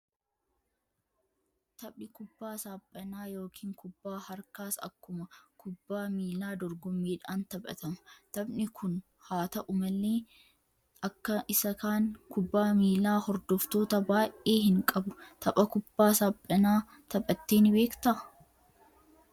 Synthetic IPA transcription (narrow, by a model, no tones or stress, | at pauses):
t̪ɐpʼɪkʊbːaːsaːpʼːɐnaːjo̞ːkʰiːŋkʰʊbːaːhɐɾkaːsɐ̰kːʊmɐkʊbːaːmiːlaːd̪ɔɾɡɔmːeːᶑaːnt̪ɐbʼɐ̰t̪ɐmɐt̪ɐbnɪkʰʊn | haːt̪ɐʔʊmɐlːe̞ː | ɐkːɐɪsɐkaːŋkʊbːaːmiːlaːhɔɾd̪ɔft̪o̞ːt̪ɐbaːjʔe̞ːhɪŋkʼɐbʊt̪ʰɐpʼɐkʊb̥ːaːsaːpʼːɐnaː | t̪ɐpʼɐt̪ːeːnbe̞ːkt̪ɐ